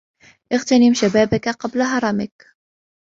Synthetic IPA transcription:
ʔɪɣt̪anɪmʃabaːbakaqɑblaɦɑɾˤɑmɪk

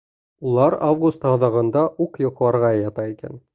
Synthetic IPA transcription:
ulˠɑɾavɡust̪ɑðɑʁɤ̆nd̪ɑʔuqjŏqlˠɑɾʁɑjɑt̪ɑikæ̰n

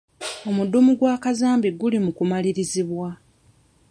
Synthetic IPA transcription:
o̞mudumuɡwaːkazaːmbiɡulimukumaliɾiziβwa

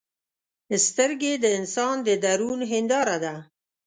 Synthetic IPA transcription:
st̪əɾɡed̪əɪnsɑnd̪əd̪aɾunɦɪnd̪ɑɾad̪a

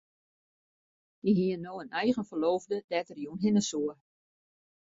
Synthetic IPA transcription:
d̥iɦiənːoːənɛjɣənfəloːvdədɛtərjunɦɪnəsuə

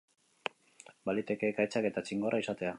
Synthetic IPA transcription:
balit̪e̞ke̞kajt͡ʃake̞t̪at͡ʃiŋɡorʔaisat̪e̞a

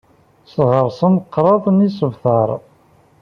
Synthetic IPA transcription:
sʁəɾˤsənqːɾˤɑðˤnisəvθɑɾˤ

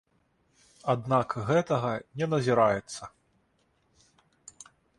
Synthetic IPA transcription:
ad̪nakɣɛt̪ɐɣɐnʲɛnɐzʲiɾajɛt̪sːɐ

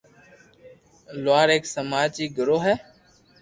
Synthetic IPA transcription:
lʊaːɾeːksəmaːd͡ʒiːɡəɾoːɦɛː

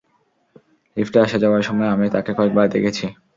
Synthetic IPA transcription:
lifʈeaʃad͡ʑaoaɾʃɔmɔeamit̪akekɔek̚baɾd̪ekʰet͡ɕʰi

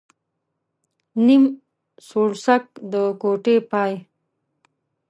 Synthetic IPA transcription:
nim | soɽsak̚d̪əkoʈepɑːj

